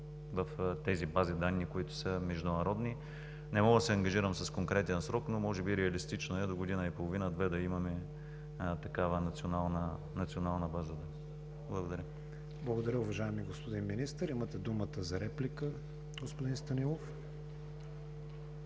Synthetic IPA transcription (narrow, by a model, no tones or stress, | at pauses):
vɐft̪ɛzibazid̪anːikoit̪ʊ̥səmɛʒd̪ʊnɐɾɔd̪ni | nɛmɔɡd̪ɐsɛɐŋɡɐʒiɾəmsɐskoŋkɾɛt̪iənsɾɔknomɔʒɛbiɾɛɐlist̪it͡ʃnoɛd̪oɡod̪inəipolˠovinəd̪vɛd̪ɐimɐmɛ | t̪ɐkavənɐt̪sionalˠnə | nɐt̪sionalˠnəbazəd̪an | blˠɐɡod̪ɐɾʲə | blˠɐɡod̪ɐɾʲəʊvɐʒaɛmiɡospod̪inminist̪əɾimət̪ɛd̪umət̪əzɐɾɛplikə | ɡospod̪inst̪ɐnilˠof